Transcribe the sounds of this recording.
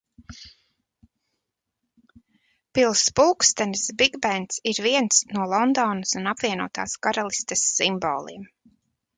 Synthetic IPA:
pilˠspuːkst̪ɛnsbiɡbɛnt̪siɾviɛnsnuɔlˠɔnd̪ɔːnɐsunapviɛnuɔt̪a̰ːskaɾalˠist̪ɛsːimbɔ̰ːlˠḭɛm

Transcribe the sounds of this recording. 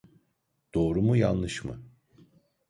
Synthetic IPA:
d̪̥o̞ːɾumujanlˠɯʃmɯ̰

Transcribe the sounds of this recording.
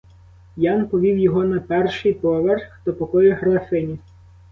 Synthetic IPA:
jɑnpɔʋʲiwjɔɦɔnɐpɛrʃɪjpɔʋerxxt̪ɔpɔkɔjʊɦɾɐfɪnʲi

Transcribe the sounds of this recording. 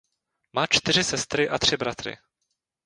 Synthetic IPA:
maːt͡ʃt̪ɪrɪsɛst̪ɾɪʔat̪r̝̥ɪbɾat̪ɾɪ̰

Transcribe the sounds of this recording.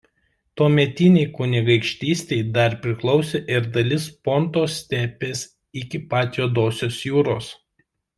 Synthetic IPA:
t̪oːmʲɛt̪ʲɪnʲeɪkʊnʲɪɡɐɪkʃʲt̪ʲiːsʲt̪ʲɛɪd̪ɐɾpʲɾʲɪklˠɒʊsʲeːʔɪɾd̪ɐlʲɪspont̪oːsʲt̪ʲæːpʲeːs | ɪkʲɪpɑːt̪ʲjoːd̪oːsʲoːsjuːɾoːs

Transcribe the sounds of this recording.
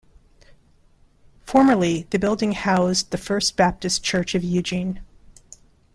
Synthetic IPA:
fɔɹmə˞lˠiðɨbɪlˠdɪ̃ŋhaʊzðɨfɜ˞sb̥æp̚tɨst͡ʃʰɜ˞t͡ʃʌvjʉd͡ʒĩn

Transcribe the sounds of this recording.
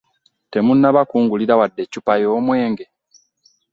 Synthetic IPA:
te̞munːaβakuːŋɡuliɾawadːe̞cupajoːmwe̞ːŋɡe̞

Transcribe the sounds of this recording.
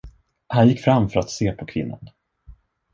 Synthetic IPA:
hanjɪkːfɾamfœɾat̪seːpʰɔkʰvɪ̰nːa̰n

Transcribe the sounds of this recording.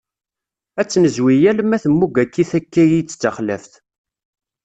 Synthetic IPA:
æt͡sːnəzwijælmæθəmːuɡækːiθækːæjit͡sːt͡sːəχlæfθ

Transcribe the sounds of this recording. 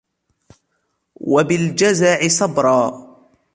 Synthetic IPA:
wabɪld͡ʒazaːʕɪsˤɑbɾˤɑː

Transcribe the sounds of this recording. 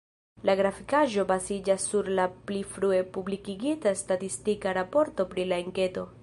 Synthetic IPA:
laɡɾafikaʒo̞bazid͡ʒasːuɾlaplifɾue̞publikiɡitastatistikaɾapo̞ɾto̞pɾilaeŋke̞to̞

